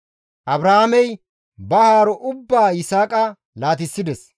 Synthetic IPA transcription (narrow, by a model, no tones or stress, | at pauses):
ʔɐbɾɐhamɛj | bɐhaːɾɔʔʊbːaːɪsaːkʼɐ | laːt̪ɪsːɪd̪ɛs